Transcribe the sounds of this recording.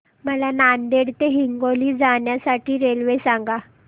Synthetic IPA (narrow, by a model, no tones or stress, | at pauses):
məlanand̪eɽt̪eɦiŋɡoliːd͡zaɳjasaʈiːɾelʋesaŋɡa